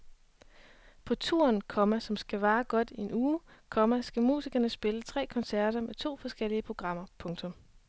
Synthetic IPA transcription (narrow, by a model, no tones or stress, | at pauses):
pʰɒ̽t͡sʰṵɐ̰nkʰɒ̽mæsɒ̽msɡ̥æʋɑ̈ːɡ̥ɒ̽d̥ie̝nuːkʰɒ̽mæsɡ̥æmṵːsiɡ̥ɐnəsb̥e̝lət͡sʰʁɛ̰ːkʰɒ̽nsæɐ̰ɾ̥ɐmet͡sʰo̝̰ːfɒ̽sɡ̥el̰iəpʰʁo̝ɡ̥ʁɑ̈m̰ɐpʰɔ̽ŋt͡sʰɔ̽m